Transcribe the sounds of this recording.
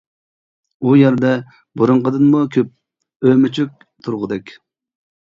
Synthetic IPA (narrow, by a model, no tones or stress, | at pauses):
ujɛɾd̪ɛ | buɾʊɴqəd̪ɨnmukʲʰøp̚ | ømɪt͡ʃʰyk̚ʲ | t̪ʰuɾʁʊd̪ɛkʲ